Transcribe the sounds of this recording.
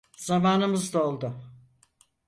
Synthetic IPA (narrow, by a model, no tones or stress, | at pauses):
zamaːnɯmɯzd̪aolˠd̪ʊ